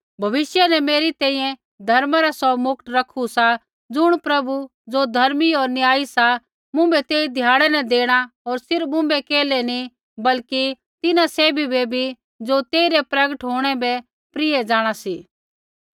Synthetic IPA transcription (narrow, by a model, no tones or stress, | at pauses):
bʱɐʋɪsjənɛmeːɾit̪ɛ̃ːĩːjɛ̃ | d̪ʱɐɾmaɾasɔmʊk̚t̪ɾɐkʰusa | d͡zʊɽ̃pɾɐbu | d͡zod̪ʱɐɾmioːɾnɪjaːisa | mʊ̃bɛt̪eːid̪ʱjaːɽ̃ɛnɛ̃d̪eːɽ̃aɔːɾsɪɾmʊ̃bɛkeːlɛni | bɐlki | t̪ɪnasɛːbʱibebʱi | d͡zot̪eːiɾɛpɾɐɡəʈɦoːɽ̃ɛbɛ | pɾɪɛd͡ʒaːɽ̃asiː